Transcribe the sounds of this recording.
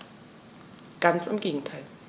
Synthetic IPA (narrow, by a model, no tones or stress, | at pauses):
ɡ̥ant͡sɪmɡeːɡŋ̩tʰaɪl